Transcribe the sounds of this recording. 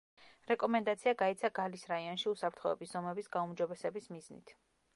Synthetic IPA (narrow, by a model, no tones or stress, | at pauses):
ɾɛkʼɔmɛnd̪at̪sʰiaɡait̪sʰaɡalisɾaiɔnʃiusapʰɾt̪ʰχɔɛbisz̥ɔmɛbisɡaumd͡ʒɔbɛsɛbismiznḭt̪ʰ